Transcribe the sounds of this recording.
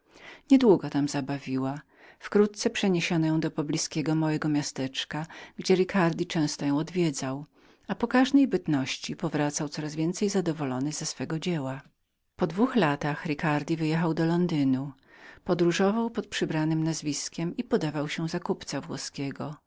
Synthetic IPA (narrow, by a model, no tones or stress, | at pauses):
ɲɛd̪wuɡɔt̪amzabavʲiwa | fkɾut̪̚t̪sɛpʂɛɲeɕɔnɔjɔ̃w̃d̪ɔpɔblʲiskʲɛɡɔmɔwɛɡɔmʲjast̪ɛt͡ʂkaɡd͡ʑɛɾikaɾd̪ʲit͡ʂɛ̃w̃st̪ɔjɔ̃w̃ɔd̪vʲjɛd̪zaw | apɔkaʐnɛjbɘt̪nɔɕt͡ɕipɔvɾat̪sawt̪sɔɾazvʲjɛnt̪sɛjzad̪ɔvɔlɔnɘzasfɛɡɔd͡ʑɛwa | pɔd̪vuxlat̪axɾikaɾd̪ʲivɘjɛxawd̪ɔlɔnd̪ɘnu | pɔd̪ɾuʐɔvawpɔt̪̚pʂɘbɾanɘmnazvʲiskʲɛmipɔd̪avawɕɛ̃zakupt̪savwɔ̰skʲɛɡɔ